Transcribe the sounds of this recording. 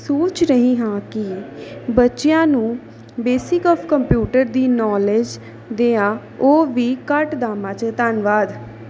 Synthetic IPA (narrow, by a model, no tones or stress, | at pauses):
soːt͡ʃɾəɦĩːɦãːkɪbətːʃɪjãːnũː | beːsɪkɔːpʰkəmpjuːʈəɾd̪iːnɔːled͡ʒ | d̪eːãː | oːʋiːkəʈd̪aːmãːt͡ʃt̪anʋaːd̪